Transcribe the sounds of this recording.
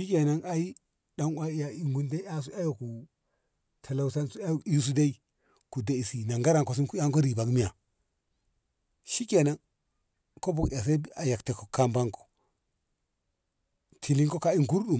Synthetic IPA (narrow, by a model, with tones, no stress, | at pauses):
ʃi˦ke˨na˦ŋa˦ji˦ | ɗa˨ŋwa˦ja˨i˨ŋɡu˦nde˦i˦a˦s̬u˦a˦jo˨ku˨ | tʰa˨la˨wsa˦nsu˦a˦ji˦s̬u˦da˦i˦ | ku˨da˨i˨si˨na˨ŋɡa˦ɾa˨ŋko˨s̬i˦nku˦a˦ŋko˦ɾi˨ba˨ɡmi˦ja˨ | ʃi˦ke˨na˦n | ko˦bo˨ka˨s̬e˦a˨ja˨kte˨ko̥˨kːa˦mba˦ŋko̥˨ | tʰi˨li˦ŋko˦ka˦i˦ŋku˦ɾɗu˨